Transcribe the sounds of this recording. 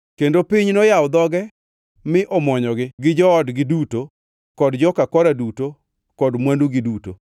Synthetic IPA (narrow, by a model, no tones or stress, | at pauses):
kendopiɲnɔjawd̪ɔɡɛ | mɪʔɔmɔɲɔɡɪɡɪd͡ʒɔɔdɡɪduto | kɔdd͡ʒɔkakɔɾaduto | kɔdmwanduɡɪduto̰